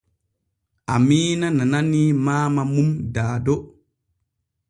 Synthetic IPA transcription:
ʔamiːnanananimaːmamumdaːdɔ

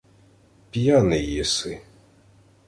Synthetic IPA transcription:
pʲjanɪjisɪ

